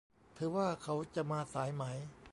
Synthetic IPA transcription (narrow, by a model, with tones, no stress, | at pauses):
t̪ʰɯː˨˦waː˥˩kʰa˦˥wt͡ɕa˨˩maː˧saː˩˦jma˦˥j